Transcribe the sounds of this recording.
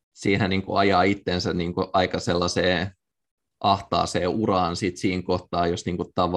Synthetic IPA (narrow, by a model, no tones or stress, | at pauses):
siːnhæniːŋkuɑjɑːit̪ːensænniːŋkuʔɑikɑselːɑseː | ʔɑht̪ɑ̰ːseːʔurɑːnsit̪siːŋkoht̪ɑːjosniːŋkut̪ɑʋ